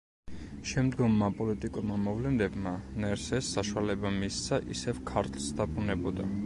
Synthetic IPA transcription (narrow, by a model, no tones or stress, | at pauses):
ʃɛmd̪ɡɔmːapʼɔlit̪ʼikʼɔɾmamɔvlɛnd̪ɛbmanɛɾsɛsːaʃualɛbamist̪sʰaʔisɛvkʰaɾt̪ʼlˠsd̪apʰunɛbɔd̪a